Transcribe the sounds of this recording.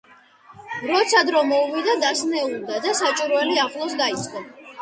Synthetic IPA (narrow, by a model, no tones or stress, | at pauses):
ɾɔt̪sʰad̪ɾɔmɔuvid̪ad̪asnɛulˠd̪ad̪asat͡ʃʼiɾɔɛliaχlˠɔsd̪ait̪sʼqʼɔ